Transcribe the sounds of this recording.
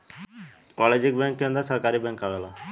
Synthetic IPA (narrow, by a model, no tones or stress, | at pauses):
ɔːled͡ʒɪk̚bɛ̃ːŋkːẽːnd̪asəɾkaːɾibɛ̃ːŋkaːʋeːlaː